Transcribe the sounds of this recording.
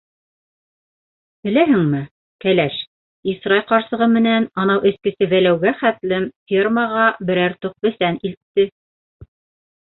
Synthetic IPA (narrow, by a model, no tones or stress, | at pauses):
bɘ̆læɦɘ̆ŋmɘ | kælæʃ | isrɑlqɑɾsɤ̆ʁɤmɘ̆nænɑnɑwʔɘ̆skɘ̆sɘðælæwɡæχæt̪lɘmfʲirməʁɑbɘ̆ɾæɾt̪uq̚bɘ̆θænilt̪ːɘ